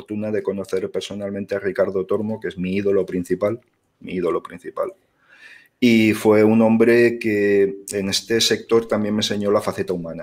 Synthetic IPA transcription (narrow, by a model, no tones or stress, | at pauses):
ɾt̪unaðe̞ko̞no̞θe̞ɾpe̞ɾso̞nalmẽnt̪earikaɾðo̞t̪o̞ɾmo̞ke̞zmiiðo̞lopɾin̟θipal | miiðo̞lo̞pɾin̟θipa̰l | ifwe̞unõmbɾe̞keene̞st̪e̞se̞k̚t̪o̞ɾt̪ambje̞ŋme̞nse̞ɲo̞lafaθe̞t̪aumãna